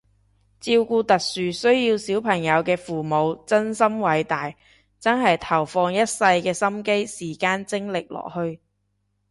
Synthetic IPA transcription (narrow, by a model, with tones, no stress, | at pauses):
t͡siː˧wkuː˧t̪ɐ˨k̚syː˨sɵ˥ɥjiː˧wsiː˨˥wpʰɐ˨˩ŋjɐ˨˧wkɛː˧fuː˨˩mo˨˧wt͡sɐ˥nsɐ˥mwɐ˨˧jt̪aː˨˩j | t͡sɐ˥nɦɐ˨jt̪ʰɐ˨˩wfɔː˧ŋjɐ˥t̚sɐ˧jkɛː˧sɐ˥mke˥jsiː˨˩kaː˧˥nt͡sɪ˥ŋlɪ˨k̚lɔ̰ː˨˩k̚hɵ˧ɥ